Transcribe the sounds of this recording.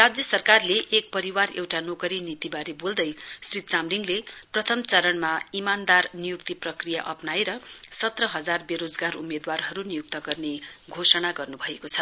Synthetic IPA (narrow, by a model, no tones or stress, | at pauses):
rad͡zjʌsʌrkarleʔːk̚pʌɾiwarḛwʈanokʌɾinit̪ibaɾebold̪ʌjsrit̪t͡samliŋleprʌt̪ʰʌmt͡sʌɾʌnmaimand̪arnijuk̚t̪iprʌkrijaʔʌpnaeɾʌsʌt̪rʌɦʌd͡zarbeɾod͡zɡarumed̪warɦʌɾunijuk̚t̪ʌɡʌrneɡʱosʌnaɡʌrnubʱʌekot͡sʰʌ